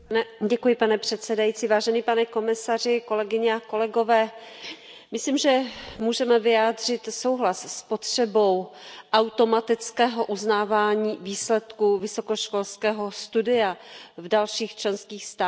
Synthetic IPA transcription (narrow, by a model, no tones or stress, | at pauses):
ɟɛkujɪpanɛpr̝̥ɛt̪sɛdajit͡siːvaːʒɛnipanɛko̞mɪsar̝ɪko̞lɛɡɪɲɛako̞lɛɡo̞vɛː | mɪsliːmʒɛmuːʒɛmɛvɪjaːdr̝ɪt̪so̞wɦlasspo̞t̪r̝̥ɛbo̞wʔawt̪o̞mat̪ɪt͡skɛːɦoʔuznaːvaːɲiːviːslɛt̪kuvɪso̞koʃko̞lskɛːɦo̞st̪udɪavdalʃiːxt͡ʃlɛnskiːxst̪aː